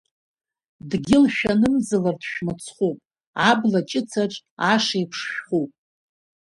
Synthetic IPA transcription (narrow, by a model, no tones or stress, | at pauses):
dɡʲɪlʃᶣanɨmzɨlardʃᶣmat͡sʰχʷupʼ | ablat͡ʃʼɪt͡sʰaʈ͡ʂʼaʂajpʰʂʃᶣχupʼ